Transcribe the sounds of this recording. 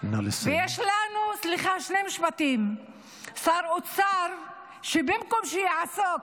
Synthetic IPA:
nalsvejeʃlanusliχaʃnemiʃpat̪im | saɾot͡saɾ | ʃebemkomʃejaʕasok

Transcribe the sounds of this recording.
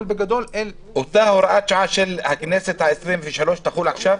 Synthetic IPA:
lbeɡæd̪oːlʔel | wet̪æweɾˤɑʔæːt̪ʃʕaʃelhækeneːset̪aʔesɾeːmfiːʃhæloːʃt̪æxuːlʕaʃæːf

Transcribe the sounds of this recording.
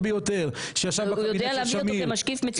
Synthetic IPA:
bejot̪eʁʃejaʃavbujodealavamoiemaʃkifmet͡s

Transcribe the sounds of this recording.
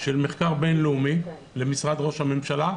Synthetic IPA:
ʃelmeχkaʁbe̞nleumi | lemisʁad̪ʁo̞ʃhame̞mʃala

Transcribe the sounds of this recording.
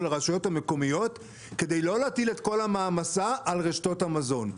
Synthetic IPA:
leʁaʃajo̞thame̞ko̞mijo̞t | ke̞dejlo̞leatile̞tko̞lhamaːmasaʔalʁeʃto̞thamazo̞n

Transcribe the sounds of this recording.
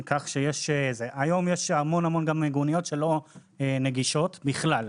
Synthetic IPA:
kaχʃejeʃzeʔajo̞mjeʃhamo̞nhamo̞nɡameɡunijo̞t̪ʃe̞lo̞ | ene̞ɡiʃo̞t̪biχlal

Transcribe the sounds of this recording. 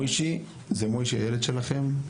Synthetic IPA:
jʃi | zemojʃiajeled̪ʃe̞laχe̞m

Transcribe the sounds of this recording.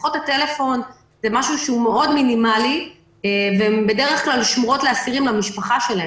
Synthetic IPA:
χothate̞lefo̞n | zemaʃuʃeumeo̞dminimali | eveembe̞de̞ʁeχklalʃmoʁo̞tleasiʁimlamiʃpaχaʃe̞lahe

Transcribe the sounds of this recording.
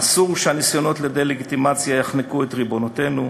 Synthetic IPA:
asuʁʃeanisjo̞no̞t̪led̪e̞jleɡit̪imat͡sjajaχnekuet̪ʁibo̞note̞nu

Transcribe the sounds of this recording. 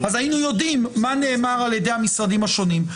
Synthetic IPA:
azajinujo̞dimːane̞ːmaʁaljedejhamisʁad̪imaʃo̞nim

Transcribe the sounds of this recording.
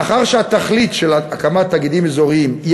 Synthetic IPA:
aχaʁʃeat̪aχlit̪ʃelaakamat̪ːaɡid̪imezo̞ʁiimi

